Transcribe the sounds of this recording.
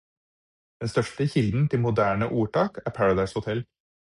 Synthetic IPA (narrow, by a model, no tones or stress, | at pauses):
d̪̥ɛnst̪œʂʈəçɪld̪n̩t̪ʰɪlmʊd̪æːɳəʔuːʈɑːkæːɾpʰæɹəd̪ɑɪshʊt̪ʰɛl